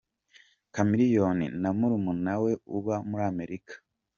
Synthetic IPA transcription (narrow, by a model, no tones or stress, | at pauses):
kamiɾijonḭnamuɾumunawe̞uβamuɾaːme̞ɾikḁ